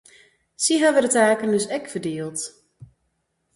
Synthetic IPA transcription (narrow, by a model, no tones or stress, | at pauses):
siɦaʋədətaːkənøsɛkfərdɪəlˠt